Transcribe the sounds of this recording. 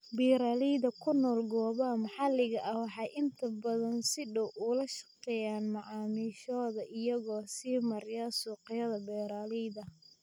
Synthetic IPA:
biːɾaːlijðɐkʰʊnɔːlɡɔːβɐmɐħɑlɪɣɐʔɐwɑħɑjʔɪnt̪ʰɐbɐðɐnsɪɖɔwʔʊlɐʃɐ̥qɛːjaːnmɑʕɑːmiːʃɔːðɐʔɪjɐɣɔːsiːmɐɾjasuːqɪjɐðɐbɛːɾaːlijðɐ

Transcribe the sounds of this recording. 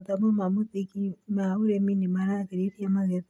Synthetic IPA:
t̪amomamutikimauɾeminimanakiɾitiamaɣet

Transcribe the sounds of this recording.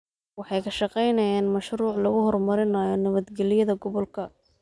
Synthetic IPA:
wɑħɑjkʰɐʃɑqɛjnɐjaːnmɐʃruːʕlɐɣʊhɔrmɐɾɪnaːjɔnɐβɐd̪ɡɛlɪjɐðɐɡɔβɔlkʰɐ

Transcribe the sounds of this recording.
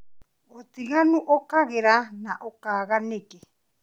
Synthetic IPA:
ot̪iɣanuʔokaɣeɾanaʔokaɣanekɛ

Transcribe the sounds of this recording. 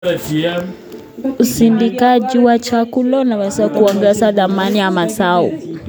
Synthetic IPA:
usindikaʄiwat͡ʃakulɔunawɛzakuɔŋɡɛsaðamanijamasaṵ

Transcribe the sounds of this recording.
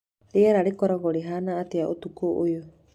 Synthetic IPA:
ɾiaɾaɾikɔɾɔɡɔɾiɦanaːt̪iaʔut̪ukoʔujo

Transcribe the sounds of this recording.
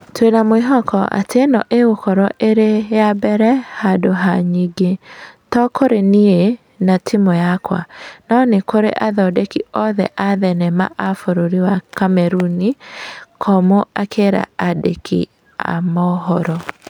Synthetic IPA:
twenamweɦɔkɔʔa̰tenɔʔeɣokɔɾɔʔeɾejabɛɾɛhadoɦaɲiɡetɔkʰoɾenie | natʰimojakwa̰nɔnekoɾḛʔaðɔdekiɔðɛ̰ʔaðɛnɛma̰ʔafoɾoɾiwakamɛɾunikʰɔmoakʰeɾa̰adekʰḭ | a̰mɔɦɔɾɔ

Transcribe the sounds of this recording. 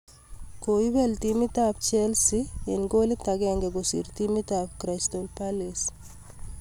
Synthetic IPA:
koibɛlt̪imit̪ap̚t͡ʃelsienɡolit̪aɡeŋɡeɡosḭɾt̪imit̪ap̚kɾast̪olpales

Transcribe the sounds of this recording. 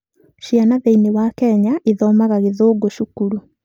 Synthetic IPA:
ɕianaðeinewakɛɲaʔeðɔmaɣaɣeðoːɡoʃukuɾu

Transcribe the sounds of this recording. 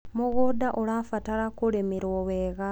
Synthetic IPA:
muɣodaʔolafatalakulemiɾoweːɣa

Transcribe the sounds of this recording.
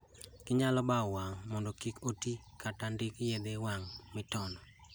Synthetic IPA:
kɪɲalɔbawaŋmɔndɔkikoti | katandɪkjed̪ewaŋmɪtɔnɔ

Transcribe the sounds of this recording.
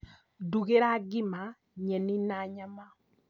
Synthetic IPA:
duɡeɾaɡɪma | ɲɛninaɲama

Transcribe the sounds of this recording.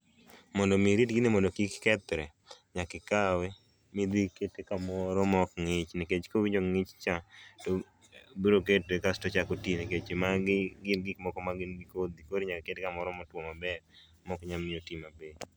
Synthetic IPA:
mɔndɔmiɾitɡɪnɪmɔndɔkikkɛt̪ɾɛ | ɲakɪkawe | mɪd̪iketekamɔɾɔmɔkŋɪt͡ʃneket͡ʃkowid͡ʒoŋɪt͡ʃt͡ʃato | biɾok̬etekastɔt͡ʃakotineket͡ʃemaɡɪɡɪnɡɪkmɔkɔmaɡɪnɡikod̪ikoɾiɲakeketekamɔɾɔmɔtwomabɛɾ | mɔkɲamɪotimabe

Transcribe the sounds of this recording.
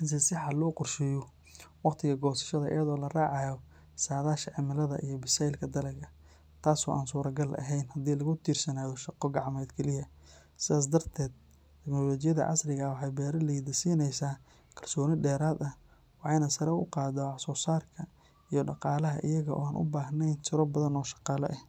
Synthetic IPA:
ɪns̬ɪsɪħɐlɔːqʊrʃɪjɔ | wɑqt̪ʰɪɣɐɡɔːsɐ̥ʃɐðɐʔɪ̰jɐðɔːlɐraːʕɑjɔ | saːðaːʃɐʕɪmɪlɐðɐ̰ʔḭjɔbɪsajlkʰɐd̪ɐlɐɡɐ | t̪ʰaːsɔ̰ːʔa̰ːnsuːɾɐɡɐlʔɐ̰ɦɛjnhɐd̪iːlɐɣʊt̪ʰiːrsɐnaːðɔʃɑqɔɡɑʕmɛːd̪kʰɛlɪɦɐ | sɪðaːs̬d̪ɐrt̪ʰɛːd̪̚ | t̪ʰɛknɔlɔːt͡ʃɪjɐðɐ̰ʕɑ̰srɪɣɐwɑħɑjbɛːɾɐlijðɐsiːnɛjsaː | kʰɐlsɔːnɪɖɛːɾaːd̪ɐ | wɑħɑjnɐsɐɾɛʊqɑːðɐħsɔːsaːrkʰɐ | ijɔɖɑqɑːlɐɦɐ̰ʔɪ̰jɐɣɐʔɔ̰ːaːnʔʊ̰baːɦnɛjnt̪ʰɪɾɔbɐðɐnɔːʃɑ̥qɑːlɔ̰ʔɛh

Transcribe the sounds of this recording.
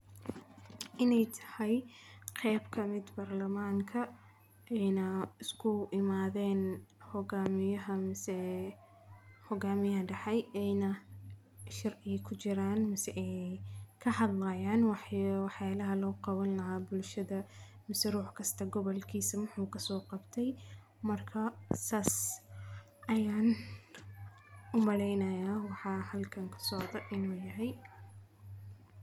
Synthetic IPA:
ʔɪnɛjt̪ʰɐ̥hɛjqɛːbkʰɐmɪd̪baːrlɐmaːŋkʰɐ | ʔɛjnɐɪskʰʊɪmaːðɛːnhɔɡaːmɪjɐɦɐsɛ | hɔɡaːmɪjɐɦɐɖɐħɑjɛjnɐ | ʃɑrʕɪkʰʊt͡ʃɪɾaːnmɐsɛʔɛjkʰɐhɑd̪lɐjaːnwɑħwɑħjaːlɐɦɐlɔːqɑwɐnlɐɦaːbʊlʃɐðɐ | mɪsɛruːħkʰɐst̪ʰɐɡɔβɔlkʰiːsɐmʊħuːkʰɐsɔːqɑbt̪ʰɛj | mɐrkʰɐsaːs | ʔɐjaːn | ʊmɐɽɛjnɐjaːwɑħɑːhɐlkʰɐŋkʰɐ̥sɔʕd̪ɔʔɪnuːjɐɦɛj

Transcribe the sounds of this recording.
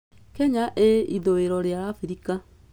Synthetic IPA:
kɛɲaʔeiðoweɾɔɾjaɾafiɾika

